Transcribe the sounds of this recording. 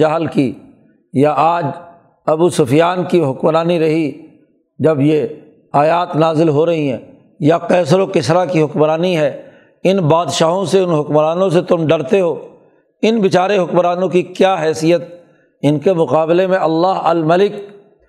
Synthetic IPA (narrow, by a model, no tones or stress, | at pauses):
aɦlki | jaʔaːd͡ʒ | ɐbusʊfjaːnkiɦʊkmɾaːniɾɐɦi | d͡ʒɐbje | aːjaːt̪naːzɪlɦoɾɐɦiɦɛ̰̃ː | jaqɛːsɾokɪsɾakiɦʊkmɾaːniɦɛː | ɪnbaːd̪ʃaːɦõseʊnɦʊkmɾaːnõs̬et̪ʊmɖɐɾt̪eɦoː | ɪnbɪt͡ʃaːɾeɦʊkmɾaːnõkikjaːɦɛːsijət̪̚ | ɪnkemʊqaːblemẽɐlːaːɦɐlmɐlɪk